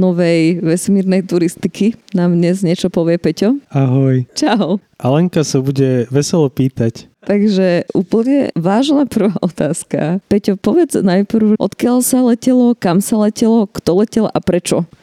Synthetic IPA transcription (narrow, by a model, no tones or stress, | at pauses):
nɔʋɛjʋɛsmiːɾnɛjt̪uɾist̪ikinaːmd̪ɲɛzɲɛt͡ʃɔpɔʋɪɛpɛcɔaɦɔjt͡ʃaʊ | ʔalɛŋkasabuɟɛʋɛsɛlɔpiːt̪ac | t̪aɡʒɛʔṵːpl̩ɲɛ̰ʋaːʒnapr̩ʋaːʔɔt̪aːska̰pɛcɔpɔʋɛd͡znajpɾ̩ʊʔɔ̰t̪kɪalsalɛcɛlɔkamsalɛcɛlɔkt̪ɔlɛcɛlʔapɾɛt͡ʃɔ